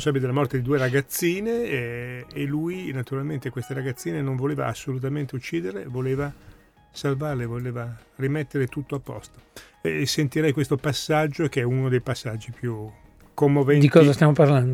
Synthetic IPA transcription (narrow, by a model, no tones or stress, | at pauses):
onsabiled̪elamɔrt̪ed̪id̪ueɾaɡat̪sːiːneː | lujnat̪uɾalment̪ekwest̪eɾaɡat̪sːiːnenõɱvoleːva̰asːolut̪̬ament̪eut͡ʃːiːd̪eɾlevoleːva | salvarlevoleːvarimet̪ːeɾet̪ut̪ːoapːɔ̰st̪o̥ | ɛsent̪iɾɛjkwest̪opasːad͡ʒːokeɛunod̪ejpasːad͡ʒːipju | kːomːovɛnd̪ikɔːzast̪jamoparland̪o